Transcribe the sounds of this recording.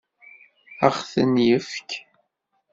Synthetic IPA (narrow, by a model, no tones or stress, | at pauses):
əχθənjəfk